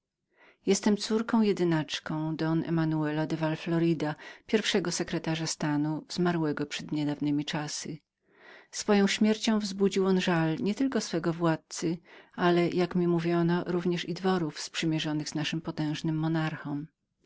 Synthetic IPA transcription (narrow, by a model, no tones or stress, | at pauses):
jɛst̪ɛmt̪suɾkɔ̃w̃jɛd̪ɘnat͡ʂkɔ̃w̃d̪ɔnɛ̰manuɛlad̪ɛvalflɔɾɘd̪apʲjɛɾfʂɛɡɔsɛkɾɛt̪aʐast̪anuzmaɾwɛɡɔpʂɛd̪ɲɛd̪avnɘmʲit͡ʂasɘ | sfɔjɔ̃w̃ɕmʲjɛɾt͡ɕɔ̃w̃vzbud͡ʑiwɔnʐalɲɛt̪ɘlkɔsfɛɡɔvwat̪̚sɘalɛjʔakmʲimuvʲjɔnɔɾuvɲɛʂid̪vɔɾufspʂɘmʲjɛʐɔnɘɣz̥naʂɘmpɔt̪ɛ̃w̃ʐnɘmːɔnaɾxɔm